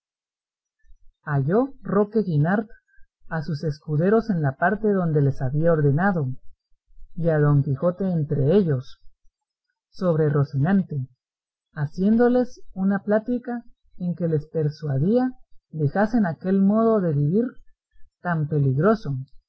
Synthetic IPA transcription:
aʝo̞ro̞ke̞ɣinaɾt̪ | asuse̞skuðe̞ɾo̞se̞nlapaɾt̪e̞ðo̞nd̪e̞le̞saβiao̞ɾðe̞naðo̞ | iaðo̞ŋkixo̞t̪e̞ːnt̪ɾe̞e̞ʝo̞s | o̞βɾe̞ro̞sinant̪e̞ | asje̞nd̪o̞le̞sunaplat̪ika | e̞ŋke̞le̞spe̞ɾswaðiad̪e̞xase̞nake̞lmo̞ðo̞ðe̞βiβiɾ | t̪ampe̞liɣɾo̞so̞

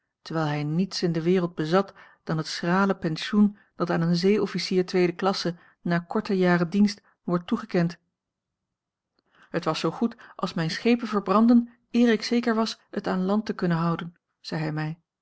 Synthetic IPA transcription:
təɹʋɛjlˠɦɛjnitsɪndəʋɪːrəlˠd̚bəzɑt | d̥ɑnɦətsraːləpɛnʃun | d̥ɑtaːnənzejɔfisiːɹtʋejdəklɑsə | naːɹkɔɹtəjaːrədinst | ʋɔɹtːuχəkɛnt | ɦətʋɑsowχutʔɑ̰lˠsmɛjnsχejpənvəɹbrɑndən | ɪːɹɪksejkəɹʋɑsətaːnlɑntəkɵnənɦɑwdən | z̥ɛjɦɛjmɛj

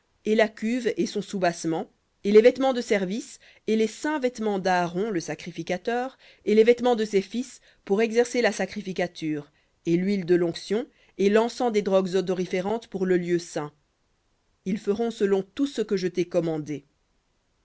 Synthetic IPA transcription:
elakʲyvesɔ̃subasmɑ̃ | elevɛt̪mɑ̃d̪əsɛʁvis | elesɛ̃vɛt̪mɑ̃d̪aːʁɔ̃ləsakχifikat̪œːʁ | elevɛt̪mɑ̃d̪əsefis | puʁɛɡzɛʁselasakχifikat̪yːʁ | elɥild̪əlɔ̃ksjɔ̃ | elɑ̃sɑ̃d̪ed̪ʁɔɡzɔd̪ɔʁifeʁɑ̃t̪puʁləljøsɛ̃ | ilfəʁɔ̃səlɔ̃t̪usəkəʒət̪ɛkɔmɑ̃d̪e

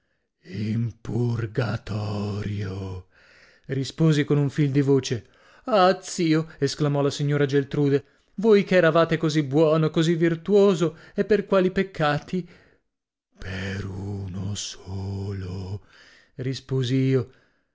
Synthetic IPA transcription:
impurɡat̪ʰɔːɾjo | rispoːzikonuɱfild̪ivoːt͡ʃe | at̪siːoesklamɔlasiɲːoːɾad͡ʒelt̪ɾuːd̪e | vojkeɛːɾavaːt̪ekozibwɔːnokozivːirt̪uoːzo | epːerkwaːlipekʰːaːt̪i | pʰeɾunosoːlo | rispoːziiːo

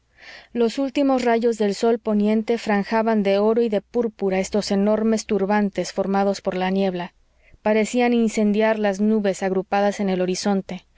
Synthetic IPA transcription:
lo̞sult̪imo̞sraʝo̞zðe̞lso̞lpo̞njẽ̞nt̪e̞fɾaŋxaβand̪e̞o̞ɾo̞iðe̞puɾpuɾae̞st̪o̞se̞no̞ɾme̞st̪uɾβant̪e̞sfo̞ɾmað̞o̞spo̞ɾlanje̞βla | paɾe̞sianinse̞nd̪jaɾlaznuβe̞saɣɾupaðase̞ne̞lo̞ɾiso̞nt̪e̞

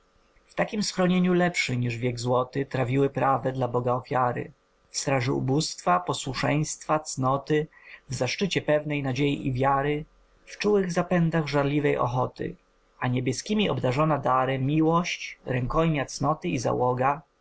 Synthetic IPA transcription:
ft̪akʲimsxɾɔɲeɲulɛpʂɘɲiʐvʲjɛɡzwɔt̪ɘt̪ɾavʲiwɘpɾavɛd̪labɔɡaɔfʲjaɾɘ̰ | fst̪ɾaʐɛṵbust̪fapɔswuʂɛj̃st̪fat̪snɔt̪ɘvzaʂt͡ʂɘt͡ɕɛpɛvnɛjnad͡ʑejḭivʲjaɾɘ | ft͡ʂuwɘɣzapɛnd̪aɣʐaɾlʲivɛjʔɔ̰xɔt̪ɘ̰ | aɲɛbʲjɛskʲimʲiɔ̰bd̪aʐɔnad̪aɾɛmʲiwɔɕt͡ɕɾɛŋkɔjmʲat̪snɔt̪ɘiza̰wɔɡa

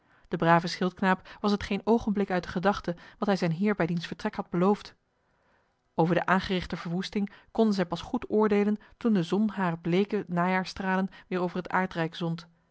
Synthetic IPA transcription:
d̥əbraːvəsχɪlˠt̚knaːpʋɑsɦətχejnowχənblɪkœɥt̚dəχədɑχtəʋɑtɦɛjzɛjnɦɪːɹbɛjdinsfəɹtrɛkhɑd̚bəlowft | ʔowvəɹdəʔaːnχərɪχtəvəɹʋustɪŋkɔndənzɛjpɑsχutʊːɹdejləntundəzɔnɦaːrəblejkənaːjaːɹstraːlənʋɪːɹowvəɹɦəta̰ːɹtrɛjkz̥ɔnt

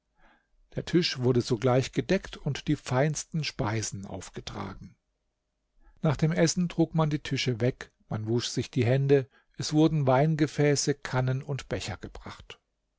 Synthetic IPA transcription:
d̥eːɐtʰɪʃv̥ʊɐdəzoːɡlaɪçɡ̥ədɛktʰʊntd̥iːfaɪnstn̩ʃpaɪzn̩ʔa̰ʊfɡ̥ətʁ̥a̰ːɡŋ̩ | naːχd̥eːmʔɛsn̩tʁ̥uːkmandiːtʰɪʃəvɛk | manvuʃz̥ɪçd̥iːɦɛndə | ʔɛsv̥ʊɐdn̩vaɪnɡəfɛːsəkʰanənʊntb̥ɛçɐɡ̥əb̥ʁa̰χt

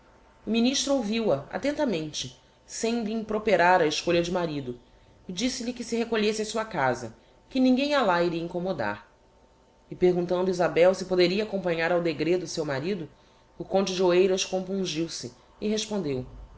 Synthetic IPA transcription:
ʊminiʃt̪ɾʊowviwɐa̰t̪ẽnt̪ɐmẽnt͡ʃɪ | sẽj̃liĩŋpɾopeɾaɾɐɪʃkoʎɐd͡ʒɪmaɾid̪ʊ | ɪd͡ʒisɪʎɪkɪsɪɦekoʎesɪasuɐkazɐ̰ | kɪnĩŋɡẽj̃alaiɾiɐĩŋkomod̪a̰ɾ | ɪpeɾɡũnt̪ɐ̃nd̪ʊizabɛwsɪpod̪eɾiɐːkõpɐ̃ɲaɾawd̪eɡɾed̪ʊsewmaɾid̪ʊ | ʊkõnt͡ʃɪd͡ʒɪoejɾɐʃkõmpũʒiwsɪː | ɦeʃpõnd̪ew

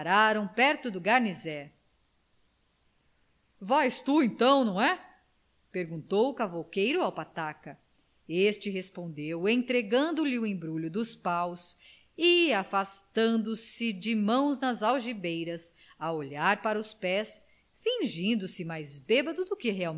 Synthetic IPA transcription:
ɾaɾɐ̃w̃pɛɾt̪ʊd̪ʊɡaɾnizɛ | vajst̪uẽt̪ɐ̃w̃nɐ̃w̃ɛ | peɾɡũnt̪owʊkavowkejɾʊawpat̪akɐ | est͡ʃɪɦespõnd̪ewẽj̃t̪ɾeɡɐ̃nd̪ʊlɪʊẽbɾuʎʊd̪ʊspaws | ɪafast̪ɐ̃nd̪ʊsɪd͡ʒɪmɐ̃w̃znɐzawʒibejɾɐs | ɐoʎaɾpaɾɐʊspɛs | fĩʒĩnd̪ʊsɪmajzbebɐd̪ʊd̪ʊkɪɦeaw

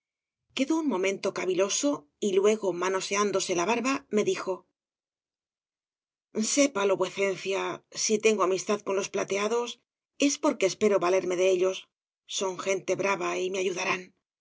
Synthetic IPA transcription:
ke̞ðo̞uŋmõ̞mẽ̞nt̪o̞kaβilo̞so̞ | ilwe̞ɣo̞mano̞se̞and̪o̞se̞laβaɾβame̞ðixo̞ | se̞palo̞βweθe̞n̟θjasit̪e̞ŋɡo̞amist̪aðko̞nlo̞splat̪e̞aðo̞s | e̞spo̞ɾke̞ːspe̞ɾo̞βale̞ɾme̞ðe̞eʎo̞sː | o̞ŋxe̞nt̪e̞βɾaβaime̞aʝuðaɾan

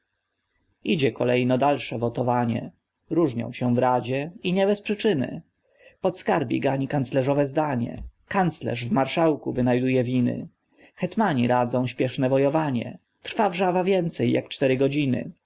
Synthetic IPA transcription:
id͡ʑɛkɔlɛjnɔd̪alʂɛvɔt̪ɔvaɲɛ̰ | ɾuʐɲɔ̰̃w̃ɕɛ̃vɾad͡ʑɛiɲɛbɛspʂɘt͡ʂɘnɘ̰ | pɔt̪skaɾbʲjḭɡaɲikant̪slɛʐɔvɛzd̪aɲɛ̰kant̪slɛ̰ʐvmaɾʂawkuvɘnajd̪ujɛvʲinɘ̰ | xɛt̪maɲiɾad̪zɔ̃w̃ɕpʲjɛʂnɛvɔjɔvaɲɛ̰ | t̪ɾfavʐavavʲjɛnt̪sɛjːakt͡ʂt̪ɛɾɘɡɔd͡ʑinɘ̰

